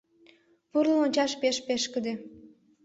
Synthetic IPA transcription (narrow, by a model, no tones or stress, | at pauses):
puɾnonʲt͡ɕɑʃpeʃpeʃkə̆d̪e